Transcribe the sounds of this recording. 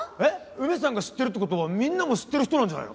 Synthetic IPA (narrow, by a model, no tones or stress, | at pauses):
e | ɯ̟mʲes̬ãŋɡaɕi̥t̪ːe̞ɾɯ̟t̪ːekot̪o̞βamʲĩnːamo̞ɕi̥t̪ːe̞ɾɯ̟çi̥tonãɲd͡ʑana̰j̰no̰